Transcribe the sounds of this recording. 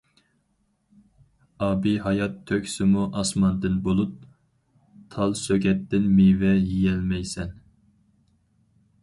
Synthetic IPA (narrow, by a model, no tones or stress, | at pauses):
ɑːbiɦɑjɑt̪ʰːøkʲsɪmuʔɑsmɑnd̪ɨnbolˠup̚ | t̪ʰɑlˠsøɡʲɛt̪ːɪnmivɛjijɛlmɛjsɛn